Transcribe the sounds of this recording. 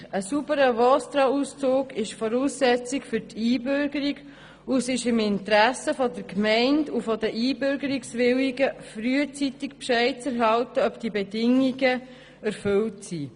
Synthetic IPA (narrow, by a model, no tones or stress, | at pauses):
əsubəɾəvɔst̪ɾɑust͡soːɡɪʃfɔɾuːsːɛt͡sɪkfʏɾtʰiːbʏɾɡəɾiɡ | usɪʃɪmɪnt̪ɾæsəfɔdəɾkmɛɪndufɔdəʔiːbʏɾɡəɾiksʋɪliɡəfɾyːət͡sit̪ɪkpʃɛɪt͡sɛɾɦɑltəœpd̥ibɛdɪŋiɡə | ɛɾfʏltsi